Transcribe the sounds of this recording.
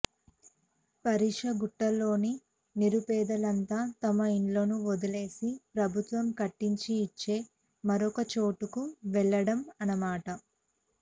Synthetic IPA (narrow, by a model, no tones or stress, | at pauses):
pɐɾiːʂɐɡuʈːɐlːo̞ːni | niɾupɛːd̪ɐlɐnt̪aːt̪ɐmɐiɳlo̞ːnuod̪ɐle̞ːsipɾɐbʱut̪ʋɐmkɐʈːiɲt͡ʃiːt͡ʃːe̞ː | mɐɾɔkɐt͡ʃo̞ːʈukuʋɛɭːɐɽɐmɐnɐmaːʈɐ